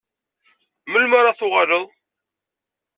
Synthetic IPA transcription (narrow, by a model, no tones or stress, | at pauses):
məlmaɾaθʊʁɑləðˤ